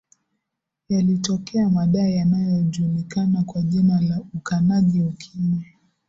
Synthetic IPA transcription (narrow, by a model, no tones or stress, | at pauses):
jalitɔkʰɛamaɗaɛjanajɔʄuːlikanakwaʄimalaukanaʄiukʰiɲɛ